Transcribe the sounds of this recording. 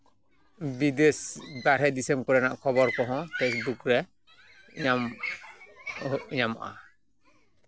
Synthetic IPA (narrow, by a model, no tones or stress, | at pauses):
bid̪esd̪aɾhɛd̪isɛmkɔɾɛnaʔkʰɔbɔɾkɔɦɔ̃pʰesbukɾɛ | ɲam | ʔɲama̰ʔa̰